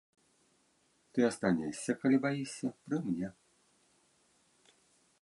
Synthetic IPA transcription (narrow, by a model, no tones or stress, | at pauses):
t̪ɨɐst̪anʲɛsʲːɐkalʲibajisʲɐpɾɨmnʲɛ